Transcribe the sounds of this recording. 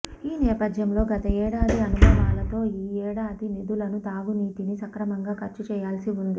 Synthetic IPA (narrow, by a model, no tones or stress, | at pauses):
iːnɛːpɐd̪jɐmlo̞ːɡɐt̪ɐɛːɽaːd̪iɐnubʱɐɾaːlɐt̪o̞ːiːɛːɽaːd̪inid̪ulɐnut̪aːɡuniːt̪inisɐkɾɐmɐŋɡaːkʰɐɾt͡ʃut͡ʃɛːjaːlsiund̪i